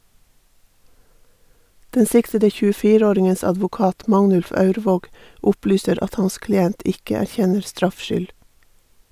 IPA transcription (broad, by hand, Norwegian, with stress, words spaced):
ˈdɛn ˈsɪktədə çʉːəˈfiːɾə ˈoːɾɪŋəns ɑdʋʊˈkɑːt ˈmɑŋnʉlf ˈɑʉɾʋoːɡ ˈʔʊplyːsəɾ ˈɑt ˈhɑns klɪˈɛnt ˈɪkə æɾˈçɛnəɾ ˈstɾɑfʃʏl